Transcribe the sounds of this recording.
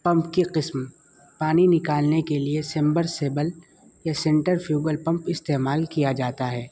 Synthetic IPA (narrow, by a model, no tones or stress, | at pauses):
pɐ̃mpkiqɪsm | paːninɪkaːlnekeliesɛ̃mbəɾseːbəl | jasɛ̃ɳʈəɾfjuːɡəlpɐ̃mpɪst̪eːmaːlkijad͡ʒaːt̪aɦɛː